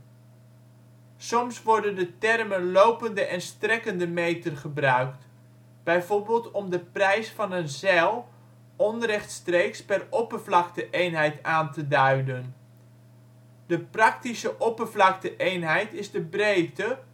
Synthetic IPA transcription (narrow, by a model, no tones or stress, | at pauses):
sɔmsʋɔɹdəndətɛrmənlowpəndəʔɛnstrɛkəndəmejtənχəbrœɥkt | b̥ɛjvoɹbɪːlˠtɔmdəprɛjsfɑnənzɛlˠ | ɔnrɛχtstreːkspɛrɔpərvlɑktəʔejnɦɛjtaːntədœɥdən | dəprɑk̚tisəʔɔpəvlɑk̚təʔejnɦɛjtɪzdəbrejtə